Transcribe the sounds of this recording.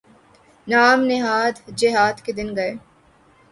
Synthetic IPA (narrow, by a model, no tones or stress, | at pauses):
naːmnɪɦaːd̪d͡ʒɪɦaːd̪ked̪ɪnɡɐeː